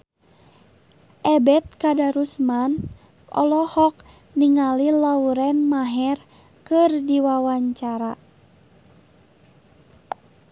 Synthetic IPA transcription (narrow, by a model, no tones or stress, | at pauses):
ʔɛbɛt̪̚kadaɾusman | ʔɔ̰lɔhɔk̚ | niŋalilauɾɛnmaɦɛr | kɨrdiwawaɲt͡ʃaɾa̰